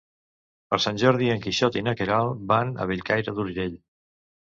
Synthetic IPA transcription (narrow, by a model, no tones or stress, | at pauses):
pəɾsanʲʒɔɾðiəŋkiʃɔt̪inəkeɾalˠbanə̰β̞iʎkajɾəðuɾʒeʎ